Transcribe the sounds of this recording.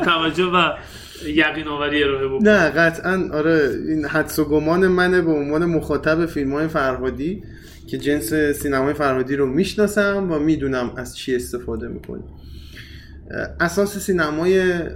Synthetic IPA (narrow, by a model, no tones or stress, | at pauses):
t̪ʰævæd͡ʒːohbæ | jæɣiːnɒːvæɾieɾɔːɦebonæɢæt̪ʰʔænɒːɾeinhæd̪soɡomɒːne̞mænebeonvɒːnemoxɒːt̪ʰæbe̞filmhɒːje̞fæɾɦɒːd̪iː | cʰe̞d͡ʒe̞nse̞siːnæmɒːje̞fæɾhɒːd̪iːɾomiːʃnɒːsæmvæmiːd̪uːnæmæz̥t͡ʃʰie̞st̪e̞fɒːd̪e̞mḭːkʰo̰nḭm | ʔæsɒːsesiːnæmɒːje